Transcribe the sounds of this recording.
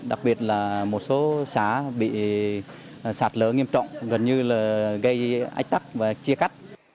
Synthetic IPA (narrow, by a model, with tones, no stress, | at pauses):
ɗa˨˩k̚ɓi˨˩ət̚laː˨˩mo˨˩t̚so˨˦saː˧˩˦ɓḭ˧˨ | saː˨˩t̚ləː˨˦ŋi˧əmt͡ɕɔ̰˧˨wŋ͡mɣə˨˩nɲɨ˧laː˨˩ɣə˧jʔa̰˧˥jk̟̚t̪a˦˥k̚vaː˨˩t͡ɕi˧əxa˦˥jk̟̚